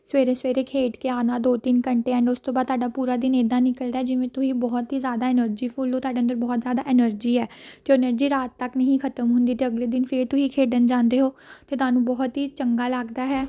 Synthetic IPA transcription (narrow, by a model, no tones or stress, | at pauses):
sʋeːɾeːsʋeːɾeːkʰeːʈkeaːnaːd̪oːt̪inkəɳʈeːɛ̃ɳɖʊst̪õːbaːd̪t̪ʰaːɖaːpuːɾaːd̪ɪneːd̪ãːnɪkəld̪aːɦɛːd͡ʒɪʋẽːt̪ʊsĩːbɔːt̪ɦiːzjaːd̪aːɪnəɾd͡ʒiːpʰʊloːt̪aːɖeːənd̪əɾbɔːt̪zjaːd̪aːʔɪnəɾd͡ʒiːɛːkjõːnəɾd͡ʒiːɾaːt̪ːəknəɦĩkʰət̪əmɦʊ̃nd̪iːt̪eːəɡleːd̪ɪnpʰɪɾt̪ʊsiːkʰeːɖənd͡ʒãːnd̪eːɦoːt̪eːt̪ʊwaːnũːbɔːt̪ɦiːt͡ʃəŋɡaːlaːɡd̪aːɦɛː